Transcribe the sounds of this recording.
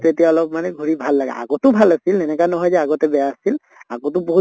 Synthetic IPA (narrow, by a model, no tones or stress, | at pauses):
tetijaɔlɔpmanɛɡʱuɹibʱalːaɡɛ̰a̰ɡɔtʊbʱalasilɛnɛkanɔɦɔjzɛaɡɔtɛbɛjaːsil | a̰kotʊbɔɦu